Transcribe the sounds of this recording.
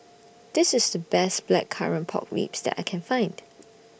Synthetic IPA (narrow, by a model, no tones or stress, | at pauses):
d̪̥ɪsɪsdəbɛsb̥lɛ̰kʰːa̰ɹə̃npʰɔ̰kɹḭpsd̥ɛ̰ta̰ɪkʰɛ̃nfãɪ̃nd̥